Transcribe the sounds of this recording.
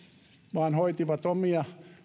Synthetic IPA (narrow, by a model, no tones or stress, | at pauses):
ʋɑːnhoit̪iʋɑt̪omiɑ